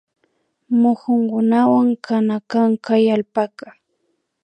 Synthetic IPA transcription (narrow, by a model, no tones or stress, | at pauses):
mʊxʊŋkʊnawaŋkʰanakaŋkajalpaka